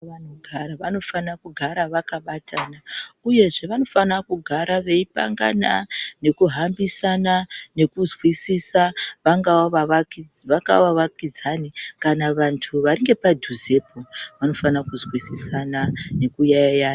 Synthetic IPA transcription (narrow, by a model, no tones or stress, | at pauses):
anoɡʱaɾaʋano̞fanakuɡʱaɾaʋakaɓatʰanauje̞ʐe̞ʋano̞fanakuɡʱaɾaʋe̞ipa̰ŋɡa̰na̰ne̞kuɦambisanane̞kuzwisisaʋaŋɡawaʋaʋakid͡zʋaŋɡaʋaʋakid͡zanikanaʋantʰuʋaɾiŋɡe̞padʱuze̞poʋano̞fanakuzwisisanane̞kujaajana